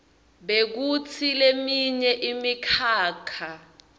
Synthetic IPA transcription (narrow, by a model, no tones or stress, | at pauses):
ɓek̬ut͡sʰilemiɲɛʔimikʰaːkʰa